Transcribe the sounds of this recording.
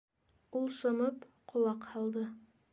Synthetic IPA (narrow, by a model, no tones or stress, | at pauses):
ulˠsɤ̆mɤpqʰŏlˠɑqhɑlˠd̪ɤ